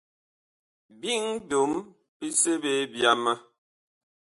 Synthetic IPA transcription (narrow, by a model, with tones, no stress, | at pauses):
bi˦ŋdo˨˦m | pi˦se˦be˦bja˦mə˦